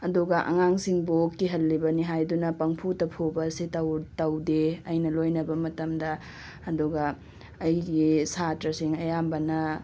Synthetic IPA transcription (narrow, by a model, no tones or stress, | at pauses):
ɐduɡɐʔɐ̰ŋaŋsiŋbokːiɦɐlːibɐniɦajdunɐpɐŋpʰutɐpʰobɐsitɐwtɐwdeɐjnɐlojnɐbɐmɐtɐmdɐ | ɐduɡɐː | jɡisatɾɐsiŋɐjambɐnɐ